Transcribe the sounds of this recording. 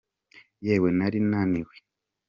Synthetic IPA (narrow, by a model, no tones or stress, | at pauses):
jewenaɾinaniwe